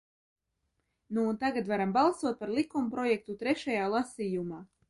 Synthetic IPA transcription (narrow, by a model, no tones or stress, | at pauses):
nuːnt̪aɡat̪vaɾambalˠsuɔt̪̚paɾlˠikumpɾɔjɛk̚t̪ut̪ɾɛʃajaːlˠasiːjumaː